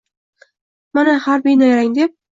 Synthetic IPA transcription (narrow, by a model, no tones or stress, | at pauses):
manahaɾbijnajaɾaŋd̪e̞p̚